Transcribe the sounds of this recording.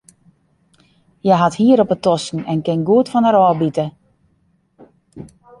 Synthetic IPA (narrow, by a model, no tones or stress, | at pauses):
jɛɦathiəɾɔpətɔsn̩ɛnkɪnɡuətfɔnəɾɔːlˠbitə